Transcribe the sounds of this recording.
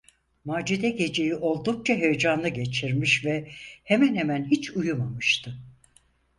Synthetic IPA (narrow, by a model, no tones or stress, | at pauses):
maːd͡ʒid̪ɛɟe̞d͡ʒe̞jiʔo̞lˠd̪uk̚t͡ʃʰaɦejed͡ʒanˠɯɟe̞t͡ʃʰiɾmiʃvɛhemænhemænhit͡ʃʰujumamɯʃt̪ʰɯ